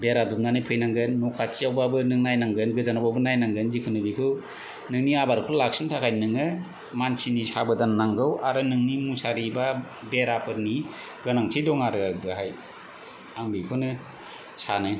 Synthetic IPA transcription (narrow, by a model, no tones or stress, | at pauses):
beɾadum̚nanɯjpʰɯjnaŋɡɯnːɔkʰatʰijawbabɯnɯŋnajnaŋɡɯnɡɯzanabawbɯnajnaŋɡɯnzikʰɯnɯbikʰɯw | nɯŋniabaɾkʰɯlak̚sʰɯntʰakʰajnɯŋɯ | mansinisabɯdanːaŋɡɯwaɾɯnɯŋnimusaɾiba | beɾapʰɯɾni | ɡɯnaŋtʰidɔŋaɾɯabɯɦaj | aŋbikʰɯnɯ | sanɯ